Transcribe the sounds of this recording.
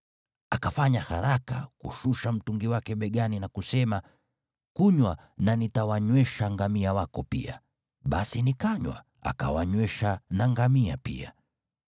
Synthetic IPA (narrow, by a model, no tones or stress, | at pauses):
akafaɲahaɾaka̰kṵʃuʃam̩tuŋɡiwakɛɓɛɡaninakusɛma | kuɲwa | nanitawaɲwɛʃaŋɡamiawakɔpḭa̰ | ɓasinikaɲwa̰ | a̰ka̰waɲwɛʃanaŋɡamiapḭa